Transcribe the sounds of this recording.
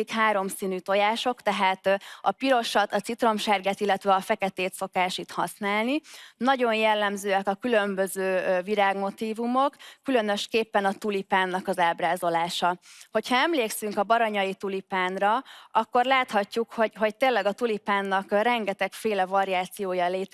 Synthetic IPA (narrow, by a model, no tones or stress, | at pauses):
ikhaːɾo̞msiːnyt̪o̞jaːʃo̞kt̪ɛɦaːt̪ɒpiɾo̞ʃɒt̪ɒt̪sit̪ro̞mʃɛrɡɛt̪ilːɛt̪ʋɛɒfɛkɛt̪eːt̪so̞kaːʃit̪hɒsnaːlninɒɟo̞njɛlːɛmzøːɛkɒkylø̞mbø̞zøːviɾaːɡmo̞t̪iːvumo̞kːylø̞nø̞ʃkeːpːɛnɒt̪ulipaːnːɒkɒzaːbraːzo̞laːʃɒho̞chɒɛmleːksyŋkɒbɒɾɒɲɒjit̪ulipaːnrɒɒkːo̞rlaːt̪hɒcːukho̞ɟɦo̞ct̪eːnlːɛɡɒt̪ulipaːnːɒkrɛŋɡɛt̪ɛkfeːlɛvɒɾiaːt̪sijoːjɒleːt̪